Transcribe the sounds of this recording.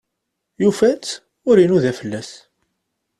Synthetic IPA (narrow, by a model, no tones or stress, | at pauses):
jufæt͡sː | ʊɾinuðæfəlːæs